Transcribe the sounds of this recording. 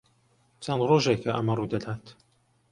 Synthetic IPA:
t͡sʰɐnd̪roːʒekʰɐʔɐ̰mɐruːd̪ɐd̪aːt̪

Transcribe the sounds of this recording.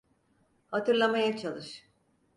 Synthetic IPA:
hat̪ʰɯɾlˠamajat͡ʃʰalˠɯʃ

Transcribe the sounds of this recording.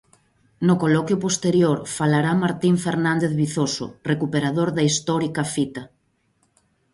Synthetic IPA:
nokolɔkjʊpost̪eɾjoɾfalaɾamaɾt̪iɱfeɾnand̪eθβiθoso̰rekupeɾaðoɾðɐist̪ɔɾikɐfit̪ɐ

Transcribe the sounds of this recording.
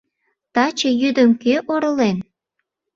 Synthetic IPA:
t̪ɑt͡ɕejyd̪əmkeʔoɾə̆len

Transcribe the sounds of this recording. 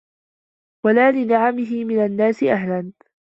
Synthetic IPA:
walaːlɪnaʕamɪɦɪmɪnanːaːsɪʔaɦlan

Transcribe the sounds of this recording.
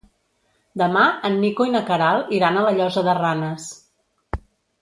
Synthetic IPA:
d̪əmaənːikoinəkəɾalˠiɾanələʎɔzəðəranəs

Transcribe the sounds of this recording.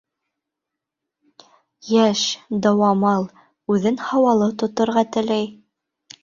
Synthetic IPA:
jæʃd̪ɑwɑmɑlˠ | ʉðɘnhɑwɑlˠɤt̪ŏt̪ŏɾʁɑt̪ɘ̆læj

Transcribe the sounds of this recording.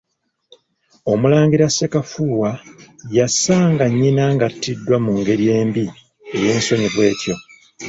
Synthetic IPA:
o̞mulaːŋɡiɾase̞kafuːwajasaːŋɡaɲːinaːŋɡatːidːwamuŋɡe̞ɾje̞ːmbi | eje̞ːnso̞ɲiβwe̞ːco̞

